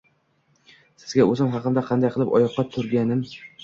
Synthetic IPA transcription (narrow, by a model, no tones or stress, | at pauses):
sɪ̥zɡʲaɵzɪmɦɑqɨnd̪aqʰɑnd̪ajqʰɨlˠɪpɒ̰jɒqːɑt̪ʰʊɾɡʲanɪm